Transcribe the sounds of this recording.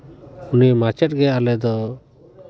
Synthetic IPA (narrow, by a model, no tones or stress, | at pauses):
unimat͡ʃɛʈ̚ɡɛalɛd̪ɔ